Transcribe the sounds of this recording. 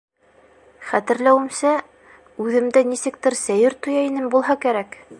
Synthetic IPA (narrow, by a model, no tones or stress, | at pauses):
χæt̪ɘ̆ɾlæwɘ̆msæ | ʉðɘ̆md̪ænisɘ̆k̚t̪ɘɾsæjɘɾt̪ŏjɑinɘmbulˠɦɑkæɾæk